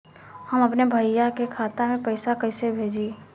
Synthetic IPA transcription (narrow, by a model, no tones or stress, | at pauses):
həməpnebʱəjakekʰaːt̪amẽpəɪsakəɪsebʱeːd͡ʒe